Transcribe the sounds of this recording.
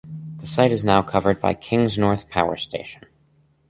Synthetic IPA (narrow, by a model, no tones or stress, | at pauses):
ðəsaɪɾɨznaʊkʰʌvə˞d̚ba̰ɪkʰɪ̃ŋznɔɹθpʰaʊə̰˞stʰeɪʃn̩